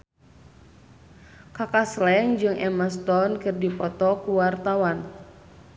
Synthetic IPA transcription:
kakaslɛŋd͡ʒɨŋʔɛmast̪ɔnkɨrdipɔt̪ɔkuwart̪awan

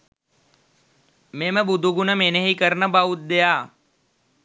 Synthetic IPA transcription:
meməbud̪ʱuɡunəmenəɦikəɾnəbaut̪̚d̪ejaː

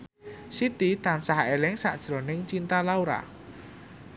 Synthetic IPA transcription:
sit̪it̪ansahelɪŋsa̰ʔd̥ʒ̥ɾonɪŋt͡ʃint̪alauɾa̰

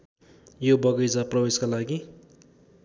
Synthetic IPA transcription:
jobʌɡʌjd͡zaprʌbeskalaɡi

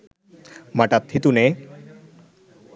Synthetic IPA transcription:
maʈat̪ʰːit̪une

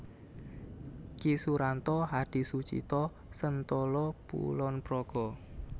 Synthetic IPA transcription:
kisuɾant̪ɔɦad̥i̤sut͡ʃḭt̪ɔ | sənt̪ɔlɔb̥ṵlɔnpɾɔɡ̥ɔ

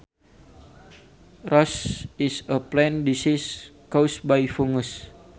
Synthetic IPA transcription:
rɔsisəplɛ̃ndisiskosbajfuŋus

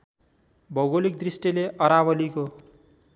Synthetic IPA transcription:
bʱʌɣolik̚d̪risʈileʔʌɾaβʌliko

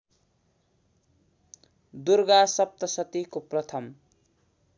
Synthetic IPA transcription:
d̪urɡasʌp̚t̪ʌsʌt̪ikoprʌt̪ʰʌm

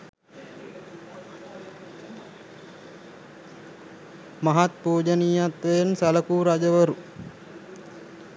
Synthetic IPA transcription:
maɦat̪poːd͡ʒəniːat̪ʋejensaləkuːɾad͡ʒəʋəɾu

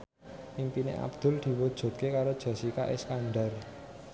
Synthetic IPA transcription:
ʔimpinḛʔa̰bd̪̥ʊ̤ld̪̥i̤wud̥ʒ̥ɔ̤t̪̚kekaɾod̥ʒ̥ɔ̤sika̰ʔeskaɳɖar

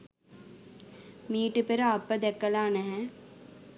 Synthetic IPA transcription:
miːʈəpeɾəɐpːəd̪ɛkːəlaːnɛɦɛ̃

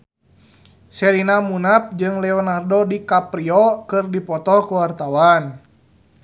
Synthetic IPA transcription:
sɛɾinamunap̚d͡ʒɨŋlɛɔnardɔdikapɾiɔkɨrdipɔt̪ɔkuwart̪awan

